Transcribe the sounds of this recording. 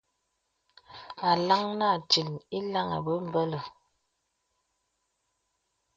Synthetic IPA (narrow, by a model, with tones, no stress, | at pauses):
a˨la˦ŋna˦˨ti˨ni˦la˦ŋə̰˨bə˦m˦˨bə˦lə˨